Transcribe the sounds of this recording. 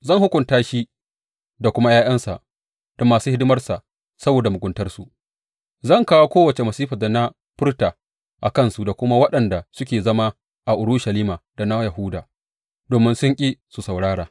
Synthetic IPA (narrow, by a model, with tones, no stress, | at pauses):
zɐ˦˨ŋhʊ˦kʷʊ˨ntaː˦ʃi˦ | da˨kʷʊ˦ma˦jaː˦ʔɐ˦nsa̰˨ʔ | d̥ɐ˦mːaː˨suː˦hɪ˦dʊ˦mɐ˦rsa˨ʔ | sɐ˦boː˨da˨mʊ˨ɡʷʊ˦ntɐ˦rsu˨ʔ | zɐ˦˨ŋkaː˦wo˦kʷoː˦wɐ˨t͡ʃe˨mɐ˨siː˦ɸɐ˨da˨na˦ | ɸʊ˦rtaː˨ | ʔa˨kɐ˦˨nsu˨da˨kʷʊ˦ma˦wɐ˦ɗɐ˨nda˨sʊ˦kʲeː˨zɐ˦ma˦ | ʔa˨ʔʊ˨ɽʊ˦ʃa˨liː˦maː˨da˨na˦jɐ˨ɦʊ˦daː˨ | doː˨mɪ˦nsʊ˦ŋkʲʼi˦su˨sɐ˨wɽaː˦ɽaː˨